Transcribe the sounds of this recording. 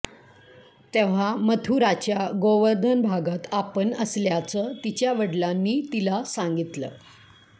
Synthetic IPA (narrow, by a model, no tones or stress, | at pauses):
t̪eʋ̤amət̪ʰuɾat͡ɕjaɡoʋəɾd̪ʱənbʱaɡat̪apəɳəsljat͡sət̪it͡ɕjaʋəɽlanːiːt̪ilasaŋɡit̪lə̰